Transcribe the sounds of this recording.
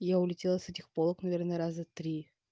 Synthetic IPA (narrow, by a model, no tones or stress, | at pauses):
jaʊlʲɪtʲelˠəsɛtʲɪxpolˠəknɐvʲernəɾazət̪ɾʲi